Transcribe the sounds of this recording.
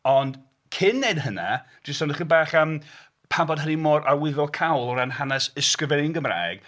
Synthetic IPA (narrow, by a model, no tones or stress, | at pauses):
ɔnd̥ | kʰɪnːedhəna̰d̥ɪstɔnəχinbaːχəm | pʰabɔd̥̚ɦənimɔɾʔawɪðɔkʰawlˠɔɾanɦanɛsɪskəvɛnɪnɡəmra̰ːɡ̥